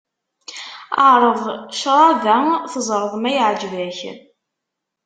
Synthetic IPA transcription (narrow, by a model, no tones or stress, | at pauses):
əʕɾˤəðˤʃɾˤɑðæθəzˤɾˤəðˤmæjəʕd͡ʒvæç